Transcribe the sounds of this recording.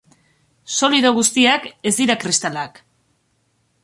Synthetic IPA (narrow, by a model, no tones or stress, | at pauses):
so̞liðo̞ɣust̪iake̞zd̪iɾakɾist̪alak